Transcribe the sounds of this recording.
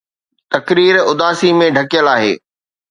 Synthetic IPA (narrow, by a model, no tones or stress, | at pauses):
t̪ɐkɾiːɾʊd̪aːsimẽɖʱɐkijəlaːɦḛː